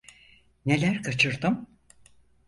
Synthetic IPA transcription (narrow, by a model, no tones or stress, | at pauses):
ne̞lʲæɾkʰat͡ʃʰɯɾd̪ɯm